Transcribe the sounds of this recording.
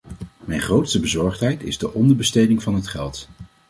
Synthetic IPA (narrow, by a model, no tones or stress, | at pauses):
mɛjnχrowtstəbəzɔɹχtɦɛjtɪ̰zdəʔɔndəɹbəstejdɪŋvɑnɦətχɛlˠt